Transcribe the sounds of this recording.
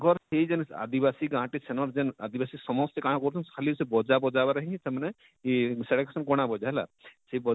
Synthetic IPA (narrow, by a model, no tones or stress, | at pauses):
ɡɔɾseid͡ʒɛna̰d̪ibasiɡãʈisɛnɔɾd͡ʒɛna̰d̪ibasisɔmɔst̪ekãɽ̃ãkɔɾut̪ʰunkʰalisebɔd͡ʒabɔd͡ʒabaɾəɦĩĩsɛmanɛ | sɛɽeksɔnkɔɽ̃abɔd͡ʒaɦla̰seibɔ